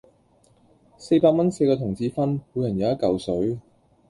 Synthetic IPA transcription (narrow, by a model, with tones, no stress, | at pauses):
se˧jpaː˧k̚mɐ˥nse˧jkɔː˧t̪ʰʊ˨˩ŋt͡sʰiː˨˧fɐ˥npu˨˧jɐ˨˩njɐ˨˧wjɐ˥t̚kɐ˨wsɵ˨˥ɥ